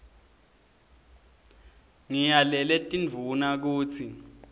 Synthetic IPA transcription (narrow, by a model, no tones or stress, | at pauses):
ŋijalɛlɛtʼinvʱunak̬uːt͡sʰi